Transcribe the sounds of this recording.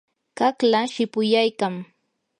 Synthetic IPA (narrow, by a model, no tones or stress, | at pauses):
kaklaʃɪpʊjajkaŋ